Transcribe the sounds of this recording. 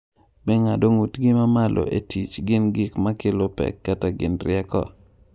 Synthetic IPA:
mɛŋadoŋutɡɪmamalʔo̰ʔetit͡ʃɡɪnɡɪkmakɪlʊpɛ̰kːataɡɪ̰nrɪɛkɔ̰

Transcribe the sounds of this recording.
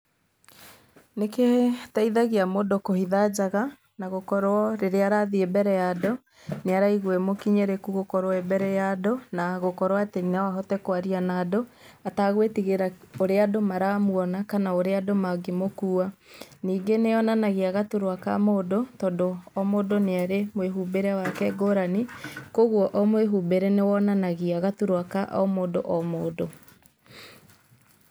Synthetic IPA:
neketaiðaɣeamodokohiðad͡ʑaɣa | naɣokɔɾwɔɾeɾeaɾaðiebɛɾɛjado | neaɾaiɣwɛmokiɲɛɾekuɣokɔɾoɛbɛɾɛjadonaɣokɔɾwatenawaɦɔtɛkwaɾianaːdo | ataɣwetiɣeɾaoɾeadomaɾamuɔnakanaoɾeadomaɡemokuːaniːɡeneɔnanaɣeaɣatuɾwaka̰moːdotɔdoɔmodoneaɾemweɦubeɾeawakɛɡoːɾanikoɣwɔʔɔmweɦubeɾenewɔnanaɣiaɣatuɾwakaʔɔ̰moːdoʔɔmoːdo

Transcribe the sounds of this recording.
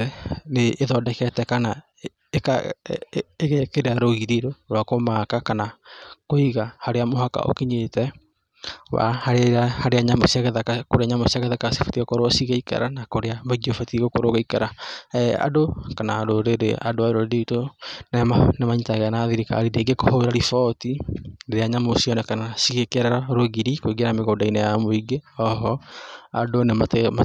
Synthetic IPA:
ɛneːðɔdɛkɛtɛkana | eka | eɣɛkeɾeaɾoɣiɾiɾoɾwakomakakanakoiɣahaɾeamoɦaka̰ʔo̰kiɲetɛ | wa̰haɾeaiɾahaɾeaɲamosiaɣɛðaakoɾeaɲamosiaɣɛðakase̥fo̥tiɣɔkoɾoasiɣaika̰ɾanakoɾeaβoɡiofotiɣokoɾoɣaikaɾaɛa̰dokanaadoɾeɾḛadoaɾoɾedeitonɛmanemaɲitaɣeanaðiɾika̰ɾideɡekohoɾaɾifɔtineɾeaɲamosiɔnɛkanasiɣekeɾɛɾaɾoɣiɾikoiɡeɾameɣodainɛjamoiɡeɔɦɔa̰donematma

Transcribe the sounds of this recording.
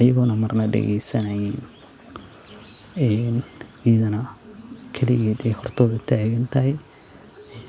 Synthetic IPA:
ɐjɐɣɔnɐmɐrnɐɖɛ̰ɣɛ̰jsɐnɐj | ɛnmɪðɐnɐkʰɛlɪjɛd̪ɛjhɔrt̪ʰɔːðʊt̪ʰaːɣɐnt̪ʰɐɦɛj

